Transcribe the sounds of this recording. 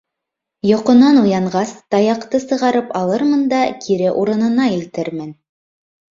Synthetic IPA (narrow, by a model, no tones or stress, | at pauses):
jŏqŏnɑnujɑɴʁɑst̪ɑjɑqt̪ɤsɤ̆ʁɑɾɤpɑlˠɤɾmɤnd̪ɑkʰiɾɘʔuɾɤ̆nɤ̆nɑilt̪ɘɾmɘn